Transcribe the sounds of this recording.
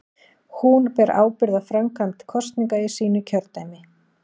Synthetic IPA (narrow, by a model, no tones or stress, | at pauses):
hunpɛɾa̰ːwpɪɾðafɾamkʰant̪kʰɔst̪niŋkaɾɪ̥siːnʏcʰœɾt̪ajmɪ